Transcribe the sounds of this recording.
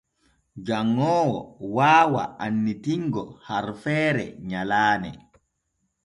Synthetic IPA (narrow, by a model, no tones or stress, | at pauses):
d͡ʒaŋːɔːwɔ̰waːwa̰anːitiŋɡɔhaɾfɛːɾɛ̰ɲalaːnɛ̰